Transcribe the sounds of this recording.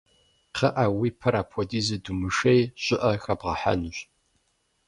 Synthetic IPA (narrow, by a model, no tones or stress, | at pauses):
qʰɐʔawipʰɐɾaːpʰɔdiːzɨdumɨʂejɕɪʔɐxɐbʁɐħa̰nɨɕ